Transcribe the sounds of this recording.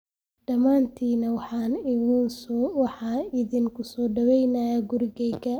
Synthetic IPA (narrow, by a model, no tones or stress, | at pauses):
ɖɐmaːnt̪ʰiːnɐwɑħɑːnɪɣinsɔwɑħɑːɪðiŋkʰʊsɔːɖɐwɛjnɐjaːɡʊrɡɛjkɐ